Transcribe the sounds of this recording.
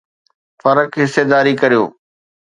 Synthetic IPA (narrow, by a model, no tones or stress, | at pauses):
fɐɾəkɦɪsed̪aːɾikɐɾijo̰ː